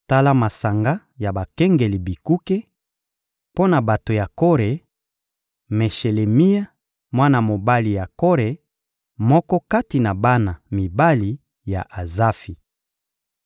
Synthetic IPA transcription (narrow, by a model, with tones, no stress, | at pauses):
ta˦la˦ma˨sa˨ŋɡa˦ | ja˨ba˨kɛ˦ŋɡe˨li˨bi˨ku˦ke˦ | po˦na˨ba˨to˨ja˨ko˦ʁe˨ | me˨ʃe˨le˨mi˦ja˦ | mwa˦na˨mo˨ba˦li˨ja˨ko˦ʁe˨ | mɔ˦kɔ˦ka˦ti˨na˨ba˦na˨mi˨ba˦li˨ | ja̰˨ʔa˨za˦fi˨